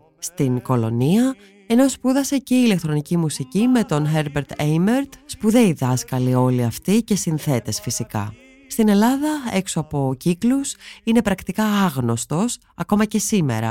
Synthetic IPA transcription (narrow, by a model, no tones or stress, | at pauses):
st̪iŋko̞lo̞̰niɐ | e̞no̞spuðɐse̞ce̞ile̞k̚t̪ɾo̞nicimusicime̞t̪o̞nxeɾbeɾt̪ejmeɾt̪spuðe̞iðɐskɐlio̞liɐft̪ice̞sinθe̞t̪e̞sfisikɐ̰ | st̪ine̞lɐðɐe̞ksoɐpo̞ciklusine̞pɾɐkt̪ikɐɐɣno̞st̪o̞s | ɐko̞mɐce̞sime̞̰ɾɐ̰